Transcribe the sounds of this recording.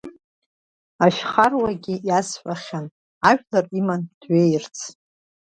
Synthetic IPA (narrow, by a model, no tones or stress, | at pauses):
aʃᶣχarwaɡʲɪjasħʷʼaχʲan | aʒᶣlarimand̥ɥejrt͡sʰ